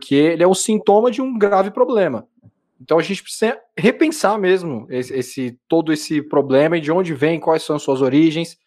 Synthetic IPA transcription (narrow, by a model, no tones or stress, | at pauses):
pkʰeelɪɛũsĩnt̪õmɐd͡ʒɪũɡɾavɪpɾoblẽmɐ | ẽnt̪ɐ̃w̃ɐʒẽnt͡ʃɪpɾe̥sizɐɦepẽsaɾmezmʊesesɪt̪od̪ʊesɪpɾoblẽmɐid͡ʒɪõnd͡ʒɪvẽj̃kwajsːɐ̃w̃suɐzoɾiʒẽj̃s